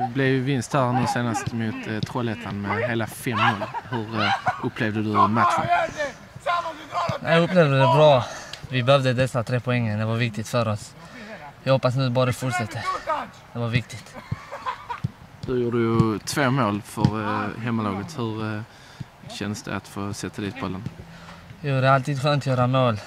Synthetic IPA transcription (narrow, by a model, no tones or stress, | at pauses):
blɛvjvɪnst̪hæːɾnʉ̟ːseːnast̪mʊt̪t̪ʰːɾɔlɛt̪ʰanmɛɦeːlafɛmːoːlhɵɾʔɵpʰːlɛvd̪əd̪ɵmat̪ɧə̰n | nɛ̰jɑɵpːleːvd̪əd̪ɛbɾɑːvɪbɛhœvd̪əd̪ɛsːat̪ʰɾeːpʰʊɛŋːəd̪ɛvaɾvɪk̚t̪ɪt̪fœɾɔs | jɑhɔpːasnʉːbɑːɾəfʊʈʂɛt̪ːə | d̪̥ɛvaɾvɪk̚t̪ɪt̪ | d̪ɵjuːɖəjʊt̪ʰvoːmoːlfœɾɦɛmːalɑːɡət̪hɵɾ | ɕɛnd̪əsd̪ɛ̰a̰t̪foːsɛt̪ʰːad̪iːt̪̚bɔlːən | juːəɖəalt̪iːd̪ɧøːnt̪ɔjøːɾamoːl